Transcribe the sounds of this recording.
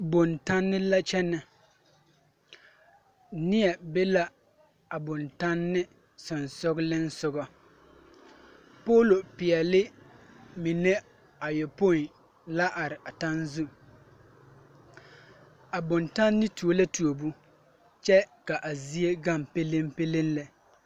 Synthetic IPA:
bʊ˨nta˦nːɪ˦la˦t͡ʃɛ˦nɪ˨ | nɪ˦ɛ˨be˦la˦ | a˨bʊ˨nta˦nːɪ˦ | sʊ˨nsʊ˦ɡlɪ˦n˦sʊ˦ɡɔ˦ | poː˦lo˨pɪ˨ɛ˨lɪ˦ | mi˨ne˦ | a˨jɛ˨po˦˨n˨ | la˦ʔa˨ɾɪ˨ʔa˨ta˦nzu˦ | a˨bʊ˨nta˦nːɪ˦tu˨o˦la˦tu˨o˨bu˦ | t͡ʃɛ˦ka˨ʔa˨zi˦e˦ɡa˦˨mpe˦le˦mpe˦le˦nlɛ˨

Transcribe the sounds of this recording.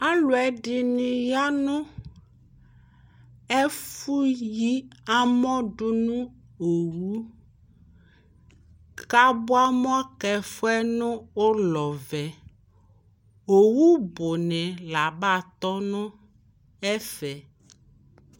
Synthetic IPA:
a˦lo˨ɛ˦ɖi˨nĩ˨ja˦nũ˦ | ɛ˦fu˦ji˦a˦mɔ̃˦ɖu˦nũ˦ | o˨wu˦ | ka˦bo˦a˦mɔ̃˦kɛ˨fo˦ɛ˦nʊ̃˦o˦lɔ˨vɛ˨ | o˨wu˦bo˨nɛ̃˨la˨ba˦˨t̪ɔ˦nũ˦ | ɛ˦fɛ˨

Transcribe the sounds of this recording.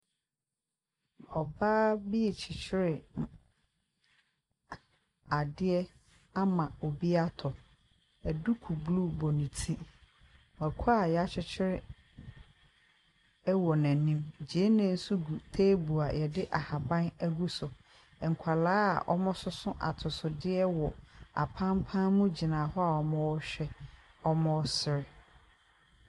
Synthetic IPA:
bɔ˨baː˦bi˦˨t͡ɕʰɪ˨t͡ɕʰɪ˦ɾɪ˨ | a˨dɪ˦ɛ˦ | a˦mã˨o˨bi˦a˦tʰɔ˨ | æ˨du˦kʰu˨blu˦˨bɔ˨nĩ˨tʰi˦ | wa˨kʷʰʊ˦a˦˨jɛ˨a˦t͡ɕʰɪ˦t͡ɕʰɪ˦ɾɪ˦ | ɛ˦wɔ˨nã˨nĩ˦md͡ʑe˨˦nã˨˦˨n̩˦su˦ɡu˨tʰeː˦bu˨a˨jɛ˨dɪ˦ʔa˨ha˨bã˦næ˦ɡu˦sʊ˨ | ɛ˨ŋ̩˨kʷʰa˨laː˦a̰˨ʔɔ̰˦mɔ̃˦sʊ˦sʊ̃˦ʔa̰˨tʰʊ˨sʊ˨dɪ˦ɛ˦wɔ˨a̰˨pʰã˦mpʰã˦mũ˦d͡ʑi˨nã˨hɔ˦a˨ɔ˨mɔ̃˦ɔ˦ɕᶣɛ˦ | ɔ˦mɔ̃˦sɪ˨ɾɪ˨

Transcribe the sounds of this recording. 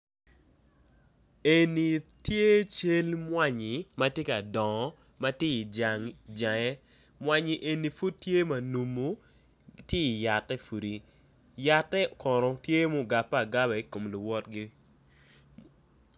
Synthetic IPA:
e˨ni˨tje˦t͡ʃe˦lmwa˦ɲɪ˨ma˦tje˦ka˨dɔ˨ŋɔ˨ | ma˦tje˦i˨d͡ʒa˨ŋd͡ʒa˨ŋɛ˦ | mwa˨ɲi˨ʔe˨ni˨fu˦tːje˦ma˨nu˨mo˦ | tje˦i˨ja˨tːɛ˦fu˨ɾi˨ | ja˨tːɛ˦kɔ˨ɾɔ˨tje˦mo˦ɡa˨pːa˦˨ɡa˦bɛ˨i˦ko˨mlʊ˨wɔ˦tɡi˦

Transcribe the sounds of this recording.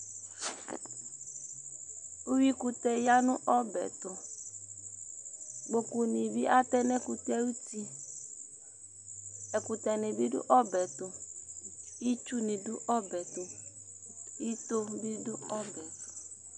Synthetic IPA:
u˦wi˦ku˨tɛ˨ja˦nʊ˦ʔɔ˦bɛ̰˨tʊ˨ | ɡ͡bo˨ku˨ni˨bi˦ʔa˦tɛ˦nɛ˦ku˨tɛ˦u˦ti˦ | ɛ˨ku˨tɛ˨ni˨bi˦dʊ̰˦ʔɔ˦bɛ˨tʊ˨ | i˦t͡ʃu˦ni˨du˦ʔɔ˦bɛ˨tʊ˨ | i˦to˦bi˦dʊ˦ɔ˦bɛ˨tʊ̥˨

